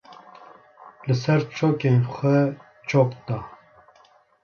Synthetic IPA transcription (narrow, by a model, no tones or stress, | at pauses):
lɨsɛɾt͡ʃʰoːkenxʷɛ | t͡ʃʰoːkd̪ɑː